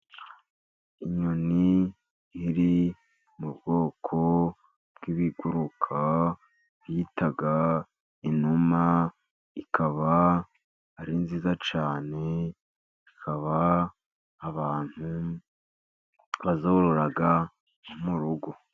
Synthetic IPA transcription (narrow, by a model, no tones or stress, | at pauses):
iɲuniː | ɾi | mubɡo̞ːkʰo̞ | b̥ɡiβiɡuɾukʰa | βjitaɡa | inuma | ikʰaβaː | ɾinziːzat͡ʃaːne̞ | ikʰaβaː | βaːn̥hu | βazoɾoɾaɡa | umuɾuɡo